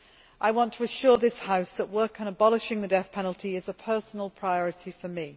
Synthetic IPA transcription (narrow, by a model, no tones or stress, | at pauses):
ʔaɪwɒ̃ntʰəəʃɔɹðɪshaʊsðəʔwɜˑ˞kə̃nəbɒlɪʃɪ̃ŋðədɛθpʰɛnl̩ˠtʰiɪzəpʰɜˑsnəlˠpʰɹ̥aɪɒɹɪtʰifəmi